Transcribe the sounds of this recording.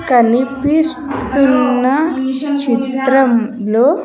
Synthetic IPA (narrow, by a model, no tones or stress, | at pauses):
kɐnipist̪unːɐt͡ʃit̪ɾɐmloː